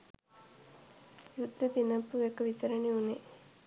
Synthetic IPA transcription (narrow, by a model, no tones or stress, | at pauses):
jud̪ʱːət̪inɐpːuʋekːɐʋit̪ɐɾɐneune